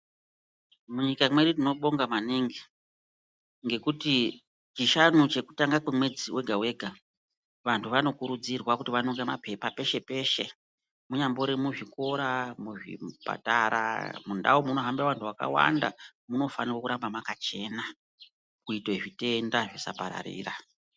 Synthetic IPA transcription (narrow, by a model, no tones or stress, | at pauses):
muɲikamweɗitino̞ɓo̞ŋɡamaniŋɡi | ŋɡe̞kuti | t͡ʃiʃanut͡ʃe̞ku̥taŋɡakwemwe̞d͡ziwʔe̞ɡʱawe̞ːɡʱa | ʋantʰuʋano̞kuɾud͡zirwakutiʋanoŋɡemapepape̞ʃe̞pe̞ʃe̞ | muɲambo̞ɾimuʐiko̞ɾamuʐḭpa̰taɾa̰munda̰womuno̞ɦambiaʋantʰuwaka̰wa̰nda̰muno̞fanirwokuɾambamakat͡ʃe̞na | kuitoʐite̞ndaʐisa̰paɾa̰ɾḭːra